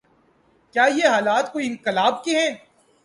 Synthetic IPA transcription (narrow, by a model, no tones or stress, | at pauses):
kjaːjeɦaːlaːt̪koːiɪ̃nqɪlaːb̚keɦɛ̃ː